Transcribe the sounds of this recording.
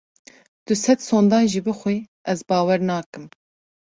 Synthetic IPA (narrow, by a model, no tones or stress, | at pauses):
d̪̥ɨsɛt̪soːnd̪ɑːnʒiːbɨxʷiː | ɛzbɑːwɛɾnɑːkɨm